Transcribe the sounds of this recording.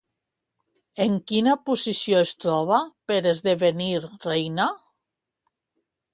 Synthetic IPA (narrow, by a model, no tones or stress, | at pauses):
eŋkinapusisioest̪ɾɔβ̞apeɾezðeβeniɾrejna